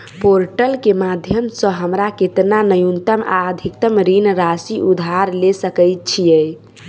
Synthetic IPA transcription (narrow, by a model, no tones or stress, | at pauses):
poɾʈəlkemad̪ʱjəmsə̃ɦəmɾaket̪nanəjunt̪əma̰əd̪ʱikt̪əmɾinɾasiʔud̪ʱaɾlesəkəjt̪̚t͡ʃʰijɛəj